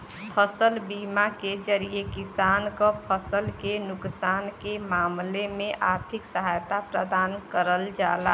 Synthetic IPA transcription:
pʰəsəlbimaked͡ʒəɾijekisankəpʰəsəlkenʊksaːnkemamlemẽʔaɾt̪ʰiksəɦajt̪apɾəd̪aːnkəɾəld͡ʒala

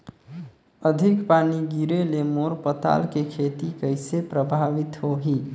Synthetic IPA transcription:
əd̪ʱikpaniɡiɾelemoɾpət̪a̰lkekʰet̪ikəjsepɾəbʱaʋit̪ɦoɦi

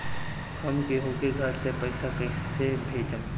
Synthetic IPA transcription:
xɐmkeɦoːkeɡʱɐɾsepɐɪsakɐsebʱeːd͡ʒəm

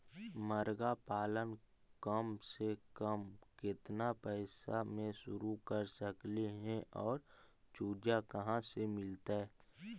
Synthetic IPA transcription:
məɾɡapaːlən | kəmsekəmkɪt̪napəɪsa̰mẽʃʊɾukəɾsəkliɦɛ̃ʔɔːɾ | t͡ʃuːd͡ʒakəɦãsemɪlt̪aɦɛː

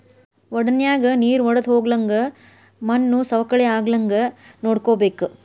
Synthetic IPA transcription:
ʋɔɽɐnjaːɡɐniːɾʋɔɽɐd̪ɦoːɡlɐŋɡɐ | mɐnːusɐʋɐkɐɭɛaːɡlɐŋɡɐnoːɽkoːbeːku

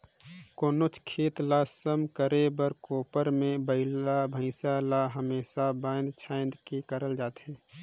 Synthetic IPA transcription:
koːnot͡ʃʰkʰeːt̪lasəmkəɾebəɾkoːpəɾmẽbəɪlabʱə̃ɪsalaɦəmeːsabãːnd̪t͡ʃʰaːɪnd̪kekəɾəld͡ʒaːt̪ɦeː

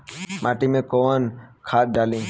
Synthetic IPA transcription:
mʔaʈimẽkonkʰat̪̚ɖalĩ

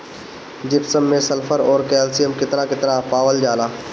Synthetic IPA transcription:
d͡ʒɪpsəmːẽsɐlfʰəɾɔːɾkɛːlsijəmkɪt̪nakɪt̪napaːʋəld͡ʒaːlaː

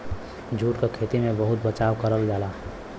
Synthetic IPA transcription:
d͡ʒʱuːʈkekʰeːt̪imẽbəɦʊt̪̚bət͡ʃaːwkəɾəld͡ʒaːla

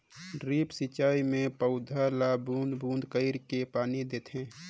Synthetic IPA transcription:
ɖɾiːpsit͡ʃaːimẽpəʊd̪ʱalabũːnd̪bʱũːnd̪kəɪɾkepaːnid̪eːt̪ʰɦẽː

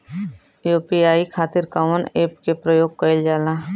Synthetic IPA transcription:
joːpiaːikʰaːt̪ɪɾkaʋəneːpkepɾəjoːɡ̚kəɪld͡ʒaːlãː

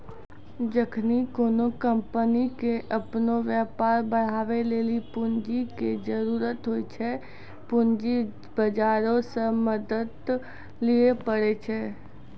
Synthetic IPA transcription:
d͡ʒəkʰnikoːnokə̃mpənikeʔəpnoʋjɛːpaːɾbəɽ̤aːʋeleːlipʊnd͡ʒiked͡ʒəɾuːɾət̪ɦoːit͡ʃʰɛ | pʊnd͡ʒi | bəd͡ʒaːɾõseməd̪əd̪ | liepəɽet͡ʃʰɛː

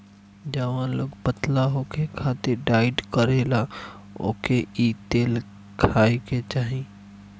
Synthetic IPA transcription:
d͡ʒaːʋãloɡpət̪laɦokekʰaːt̪ɪɾɖaːɪɖkəɾeːla | o̰ːkeit̪eːl | kʰaːiket͡ʃaːɦĩ

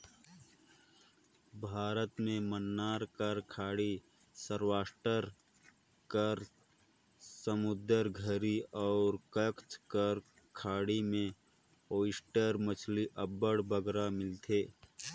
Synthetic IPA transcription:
bʱaːɾət̪mẽmənːaːɾkəɾkʰaːɽi | səɾwaːsʈəɾ | kəɾ | səmʊd̪əɾɡʱəɾiɔːɾkəkt͡ʃkəɾ | kʰaːɽimẽ | oːɪsʈəɾmət͡ʃʰliʔəbːəɽbəɡɾamɪlt̪ʰeː

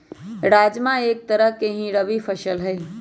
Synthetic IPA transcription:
ɾaːd͡ʒmãeːk̚t̪əɾəɦkeɦĩɾəʋipʰəʃəlɦɛː

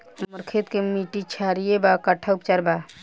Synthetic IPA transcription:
məɾkʰet̪kemiʈit͡ʃʰaɾijebakəʈʰaupt͡ʃaɾba

